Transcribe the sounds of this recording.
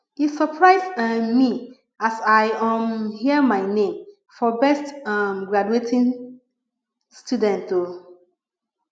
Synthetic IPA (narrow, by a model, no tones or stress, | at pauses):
isəpʰɹaɪsmi | asaɪɔmhiəmaɪnẽm | fɔbɛstʌmɡɹad͡ʒuetʰĩn | studɛ̃nto